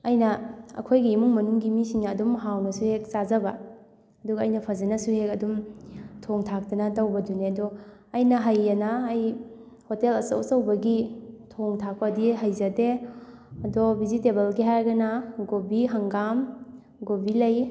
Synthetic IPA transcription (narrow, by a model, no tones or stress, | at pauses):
ɐjnɐɐ̰kʰojɡiːmuŋmɐnuŋɡimisiŋnaːdumɦawnɐsuhek̚sazɐba | ɐduɡaːjnɐpʰɐzɐnɐsuhekɐdumtʰoŋtʰak̚tɐnɐtawbɐduneɐdɔɐjnɐɦajːɐnaːj | hotelɐsɐ̰wsɐwbɐɡitʰoŋtʰak̚padiɦajzɐde | ɐdɔbizitebelɡiɦaɾɡɐnaɡobiɦaŋɡam | ɡobilɐj